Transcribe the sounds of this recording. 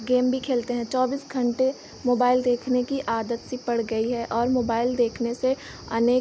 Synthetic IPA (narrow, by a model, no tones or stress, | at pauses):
ɡeːmbʱikʰeːlt̪eɦɛ̃t͡ʃɔːbiːsɡʱɐ̃ɳʈe | moːbaːɪld̪eːkʰnekiʔaːd̪ət̪sipɐɽɡɐiɦɛʔɔːɾmoːbaːɪld̪eːkʰnese | ɐ̰neː